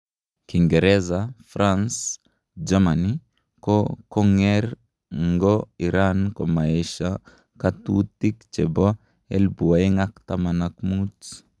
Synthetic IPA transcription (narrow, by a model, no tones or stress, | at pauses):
kiŋɡɛɾɛzafɾʔans | d͡ʒamani | kɔkɔŋɛɾ | ŋɡɔiɾankomaeʃa | katut̪ikt͡ʃɛbɔ | ḛlbuaiŋakt̪amanakmut